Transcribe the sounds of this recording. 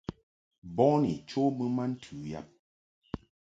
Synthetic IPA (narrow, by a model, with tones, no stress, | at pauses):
bɔ˦nḭ˨t͡ʃo˦mə˦ma˦n̩˦tʰʉ˨ja̰˦˨p̚